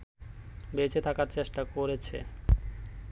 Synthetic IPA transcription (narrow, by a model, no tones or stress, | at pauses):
bet͡ɕʰet̪ʰakaɾt͡ɕeʃʈakoɾet͡ɕʰḛ